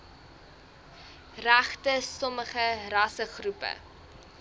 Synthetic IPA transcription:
ræχtəsɔməχəɾɐsəχrupə̰

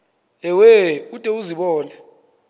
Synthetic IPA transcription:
ɛwɛutʼɛuziɓɔːnɛ

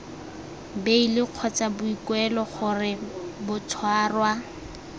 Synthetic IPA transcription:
beilɪq͡χʰɔt͡sabʊikwɛlɔχʊrɪbʊtʰwaːrwa

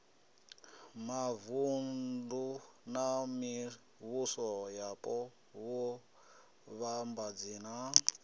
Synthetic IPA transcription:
mavundu | nami | βusɔjapʼɔ | wɔ | βambad͡ziːna

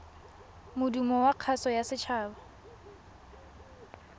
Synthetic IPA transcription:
mʊdumɔwaq͡χʰasɔjasɪt͡ʃʰaːba

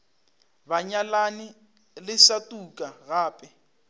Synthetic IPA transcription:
baɲalanɪ | lɪsatʼukʼaɣaːpʼɛ

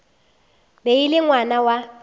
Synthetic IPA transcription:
beilɪŋwanawa

